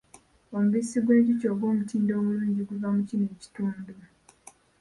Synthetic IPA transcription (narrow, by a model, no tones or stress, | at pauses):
o̞muβisiɡwe̞ːɲɟico̞ːɡwo̞ːmutiːndo̞ːmuluːɲɟiɡuvamucineːci̥tuːndu